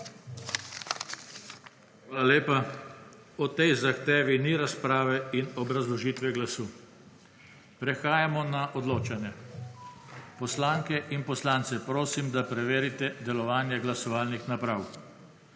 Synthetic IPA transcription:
xʋaːlaleːpa | ɔt̪ɛjzaxt̪eːʋiniɾaspɾaːʋɛinɔbɾazlɔʒiːt̪ʋɛɡlasuː | pɾɛxaːjamɔnaʔɔd̪loːt͡ʃanjɛ | pɔslaːŋkɛʔinpɔslaːnt̪sɛpɾoːsimd̪apɾɛʋeːɾit̪ɛd̪ɛlɔʋaːnjɛɡlasɔʋaːlnixnapɾaw

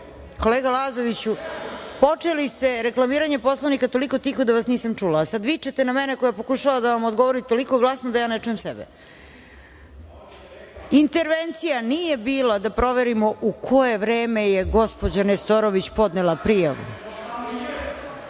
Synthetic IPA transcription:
ko̞leːɡalazoʋit͡ɕupo̞t͡ʂelist̪eɾeklˠamiːɾaɲepo̞slˠaʋnikat̪o̞liko̞t̪ixod̪aʋasniːsamt͡ʂulaːsad̪ʋit͡ʃet̪enamɛnekojapo̞kuʃaʋad̪aʋamo̞d̪ɡo̞ʋoɾit̪o̞liko̞ɡlˠasnod̪ajaːnet͡ʂujemsɛ̰bɛ̰ | int̪e̞ɾʋent̪sijaniːjebiːlˠad̪apɾo̞ʋeɾimo̞ʔukʰo̞jeʋɾeːmejeɡo̞spo̞d͡ʑanest̪oɾoʋit͡ɕpo̞d̪nelapɾija̰ʋṵ

